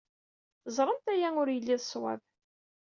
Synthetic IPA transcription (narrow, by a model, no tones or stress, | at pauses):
zˤɾˤənt̪æjæʊɾjəlːiðswæ̰v